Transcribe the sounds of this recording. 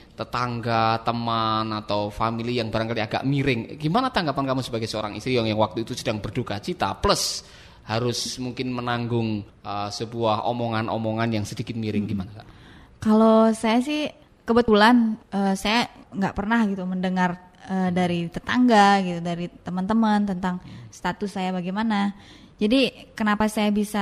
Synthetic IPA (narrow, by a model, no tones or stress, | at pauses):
t̪ət̪aŋɡat̪əmanat̪awfamilijaŋbaɾaŋkaliaɡa̰ʔmiɾɪŋɡimanat̪aŋɡapankamusəbaɡajsəoɾaŋḭst̪ɾijɔŋjaŋwak̚t̪uit̪usədaŋbərdukat͡ʃit̪a̰pləs | haɾʊsmuŋkɪnmənaŋɡʊŋ | əsəbuaɦo̰moŋanʔo̰moŋanjaŋsədikɪt̪̚miɾɪŋɡimanaka̰ʔ | kalosajas̬ɪh | kəbət̪ulanʔəsajaŋɡaʔpərnahɡit̪uməndəŋar | əːdaɾit̪ət̪aŋɡaɡit̪udaɾit̪əmənt̪əmənt̪ənt̪aŋst̪at̪ʊsːajabaɡɛmana | d͡ʒadikənapasajabisa